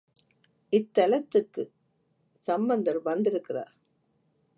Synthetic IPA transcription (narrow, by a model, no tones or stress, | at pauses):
ʔɪt̪ːɐlɐt̪ːɯkːɯ | sɐmbɐnd̪ɐɾʋɐnd̪ɪɾɯkːɪra̰ːɾ